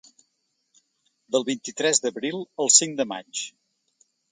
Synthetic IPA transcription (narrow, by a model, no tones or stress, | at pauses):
d̪əlˠβint̪it̪ɾɛzd̪əβɾilˠəlˠsiŋd̪əma̰t͡ʃ